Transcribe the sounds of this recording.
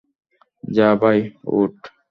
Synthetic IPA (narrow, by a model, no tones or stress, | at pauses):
d͡ʒaːbajo̰ʈ